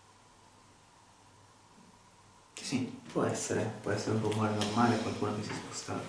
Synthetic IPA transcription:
ki̥sipʰwɔɛsːeɾepwɔɛsːeɾeuɱvomaɾanormaːlekwalkuːnamisispo̥st̪a̰

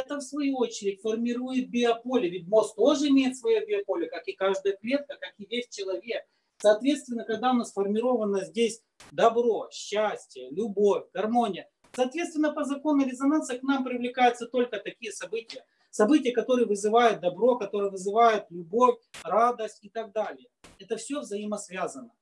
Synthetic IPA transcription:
ɛt̪əfsvɐjuo̞t͡ɕɪɾʲɪtʲfərmʲɪɾujɪt̪̚bʲɪɐpolʲɪvʲɪt̚ʲmost̪o̞ʐɨɪmʲejɪt̪svɐjobʲɪɐpo̞lʲɪəkakɨkaʐd̪əjəklʲe̞t̪̚kəkakɪvʲesʲt͡ɕɪlˠɐvʲe̞k̚ | sɐːt̪vʲet̪st̪vʲɪnːəkɐɡd̪aʊnasfərmʲɪɾo̞vənəzʲdʲesʲ | d̪ɐbɾo̞ɕːæsʲtʲɪjəlʲʊbo̞fʲɡɐrmo̞nʲɪjə | sɐːt̪vʲet̪st̪vʲɪnːəpəzɐko̞nʊɾʲɪzɐnansɨəknampɾʲɪvlʲɪkajʊt̪sət̪o̞lʲkət̪ɐkʲijəsɐbɨtʲɪjə | sɐbɨtʲɪjəkɐt̪o̞ɾɨjəvɨzɨvajʊt̪̚d̪ɐbɾo̞kɐt̪o̞ɾɨjəvɨzɨvajʊt̪lʲʊbo̞fʲrad̪əsʲtʲɪt̪aɡ̚d̪alʲɪjəɛt̪əfsʲɵvzɐiməsvʲazənə

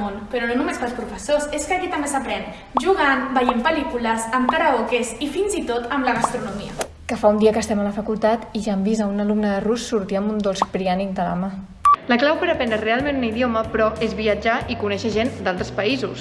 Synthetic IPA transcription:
onpəɾɔnonumespəlˠspɾufəsoseskəkit̪ɐmbesəpɾɛn | ʒuɣanbəʎempəlikuləzəmkaɾaokezifinzit̪ot̪əmləɣast̪ɾunumiə̰ | kəfaund̪iəkəst̪ɛmələfəkulˠt̪at̪iʒambizəunəlumnəðərusːuɾt̪iəmbund̪olˠsk̚pɾianik̚d̪əla̰ma | ləklawpəɾəpɛnd̪ərealˠmẽnuniðioməpɾɔʔezβiəd͡ʒaʔikunɛʃəʒend̪alˠt̪ɾəspəizus

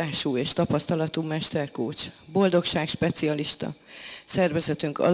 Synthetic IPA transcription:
aːʃuːeːʃt̪ɒpɒst̪ɒlɒt̪uːmɛʃt̪ɛrkoːt͡ʃbo̞ld̪o̞kʃaːkʃpɛt̪siɒliʃt̪ɒ̰ | sɛrvɛzɛt̪yŋkɒ̰

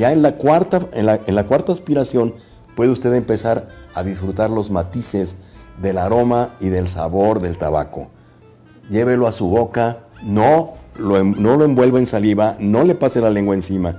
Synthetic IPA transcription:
jaenlakwaɾt̪aenlaenlakwaɾt̪aːspiɾasjo̞n | pwe̞ðeust̪e̞ðempe̞saɾaðisfɾut̪aɾlo̞zmat̪ise̞zðe̞laɾo̞maiðe̞lsa̰βo̞ɾðe̞lt̪aβa̰ko̞̰ | ʝe̞βe̞loasuβo̞kanoloeno̞loembwe̞lβeensaliβano̞le̞paselale̞ŋɡwaensima

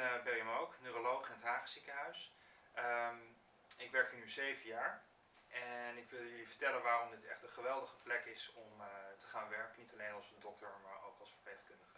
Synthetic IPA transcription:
bɛmowknøːrolowχɪnətɦaːχəsikəɦœɥs | əm | ɪkʋɛɹkɪnyzejvəjaːɹ | ʔɛnɪkʋɪlˠjɵlivəɹtɛlənʋaːrɔmdɪtɛχtənχəʋɛlˠdəχə̥plɛkɪsɔmtə̥χaːnʋɛɹkənitɑlejnɑlˠsəndɔk̚təɹmaːɹo̰wkɑlˠsfəɹpleχkɵndəχə

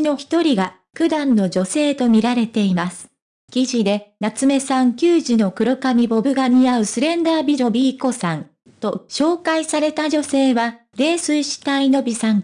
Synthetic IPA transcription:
no̞çi̥t̪o̞ɾʲiɡa | kɯ̟d̪ãnːo̞ʑo̞se̞ːt̪o̞mʲiɾaɾe̞t̪e̞imasɨ̥ | kʲiʑid̪e̞nat͡sɨme̞sãŋkʲɨːʑino̞kɯ̟ɾokamʲibo̞bɯ̟ɡaɲ̟iaɯ̟sɨɾẽ̞nd̪aːbʲiɾo̞bʲiːko̞sãn | t̪o̞ɕo̞ːkaisaɾe̞t̪aʑo̞se̞ːβa | ɾe̞ːsɨiɕi̥t̪aino̞bʲisãŋ

